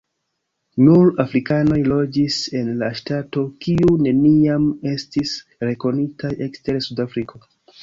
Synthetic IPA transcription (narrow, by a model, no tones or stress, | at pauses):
nuɾafɾikano̞jlo̞d͡ʒise̞nlaʃtato̞kiune̞niame̞stis | ɾe̞ko̞nitʰajʔe̞kste̞ɾsudafɾikʰo̞